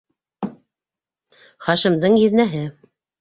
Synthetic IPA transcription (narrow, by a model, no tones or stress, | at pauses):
χɑʃɘ̆md̪ɤɴjɘ̆ðnæɦɘ